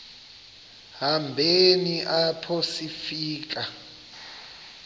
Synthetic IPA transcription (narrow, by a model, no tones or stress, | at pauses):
hambʱeniʔapʰosifiːk̬ʼa